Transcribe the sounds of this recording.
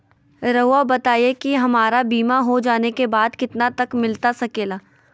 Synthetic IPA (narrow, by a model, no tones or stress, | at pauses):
ɾɐɦabɐt̪aːiekiɦɐmaːɾabiːmaɦod͡ʒaːnekebaːd̪kɪt̪nat̪ɐkmɪlt̪asɐkeːlaː